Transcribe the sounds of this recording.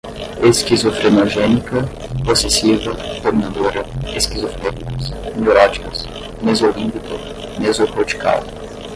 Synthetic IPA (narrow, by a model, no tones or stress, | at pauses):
eskizofɾenoʒenikɐ | posesivɐt̪ominad̪oɾɐeskizofɾenikɐsmeolɔd͡ʒikɐs | nezolĩpik̪ʊ̰ | nezopɾot͡ʃi̥ka̰l